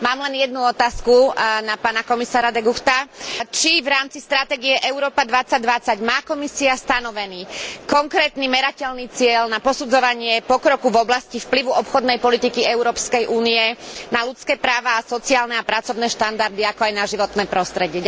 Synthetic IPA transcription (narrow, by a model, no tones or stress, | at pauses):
maːmlɛnjɛd̪nuɔt̪aːskunapaːnakɔmisaːɾad̪ɛɡuxt̪at͡ʃivɾaːmt͡sist̪ɾat̪ɛːɡiɛʔɛuɾɔːpad̪ʋat͡saɟ̚d̪ʋat͡saɟmaːkɔmisiast̪anɔʋɛniːkɔŋkɾɛːt̪nimɛɾacɛʎniːt͡sɪɛlnapɔsud͡zɔʋaɲɪɛpɔkɾɔkuvɔblascifpliʋuʔɔpxɔd̪nɛjpɔlit̪ikiɛuɾɔːpskɛjʔuːniɛnalut͡skɛːpɾaːʋaːsɔt͡siaːlnɛapɾat͡sɔʊnɛːʃt̪and̪aɾd̪iakɔajnaʒiʋɔt̪nɛːpɾɔst̪ɾɛɟɪɛ